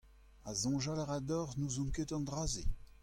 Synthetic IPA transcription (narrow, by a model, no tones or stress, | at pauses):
azɔ̃ʒalaʁad̪ɔʁnuzũket̪ɑ̃d̪ʁazḛ